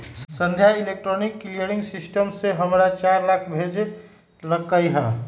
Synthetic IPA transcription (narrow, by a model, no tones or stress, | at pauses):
sə̃nd̪ʱjailek̚ʈɾɔnikːlijəɾĩŋɡsisʈəmseɦəmɾat͡ʃaɾlakʰbʱed͡ʒe | ləkəjɦɛ